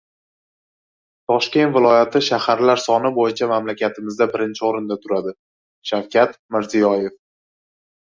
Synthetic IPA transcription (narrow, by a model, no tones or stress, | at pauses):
t̪ʰɒʃkʲe̞nt̪vɪlˠɒjat̪ʰɪʃahaɾlaɾsɒnɪbojɪt͡ʃʰamamlakʲʰat̪ʰɪmɪzd̪abɪɾɪnt͡ʃʰɪoɾɪnd̪at̪ʰʊɾad̪ɪ | ʃawkʲʰat̪mɪɾzɪjɒje̞f